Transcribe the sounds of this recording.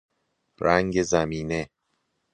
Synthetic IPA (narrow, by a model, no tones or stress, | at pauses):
ɾæŋɟezæmiːne̞